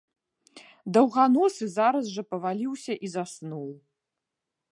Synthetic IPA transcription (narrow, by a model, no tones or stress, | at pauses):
d̪ɐwɣanɔsɨzaɾɐzʐɐpɐvalʲiwsʲɐʔizasnuw